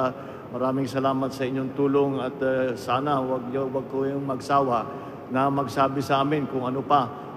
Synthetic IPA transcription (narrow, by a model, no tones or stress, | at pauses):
mɐɾaːmɪŋsɐlaːmat̪sɐʔɪɲːoŋt̪uːloŋɐt̪saːnawaɡ̚jwaɡ̚kojʊŋmɐɡsaːwa | nɐmɐɡsaːbɪsɐʔaːmɪnkʊŋɐnopa